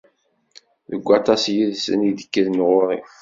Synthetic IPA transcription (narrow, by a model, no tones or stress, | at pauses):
ðəɡʷːɑt̪ˤɑsjiðsə̰niðə̥kːəðnʁʊɾˤi